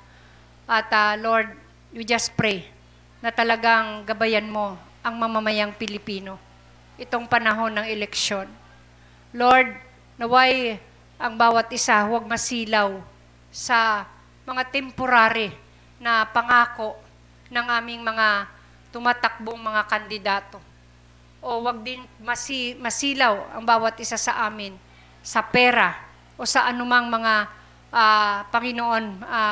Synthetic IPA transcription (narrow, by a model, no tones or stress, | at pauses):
ʔɐt̪ɐlo̞ɹd̪̚ | ʊd͡ʒaspɾɛj | nɐt̪ɐlɐɡaŋɡɐbɐjanmo̞ | ʔɐŋmɐmɐmɐjaŋpɪlɪpiːno̞ | ʔɪt̪o̞ŋpɐnɐɦo̞nːɐŋɛlɛkʃo̞n | loɹd̪̚ | nɐwaj | ʔɐŋbaːwɐt̪ʔɪsawaɡ̚mɐsiːlaw | sɐ | mɐŋat̪ɛmpoɾaːɾɪ | nɐpɐŋaːko̞ʔ | nɐŋʔaːmɪŋmɐŋa | t̪ʊmaːt̪ak̚boŋmɐŋakɐnd̪ɪd̪aːt̪o̞ | ʔowaɡ̚d̪ɪnmɐsimɐsiːlawɐ̰ŋbaːwɐt̪̚ʔɪsasɐʔaːmɪn | sɐpɛːɾa | ʔo̞sɐʔɐnʊmaŋmɐŋa | ʔapɐŋɪnoʔo̞na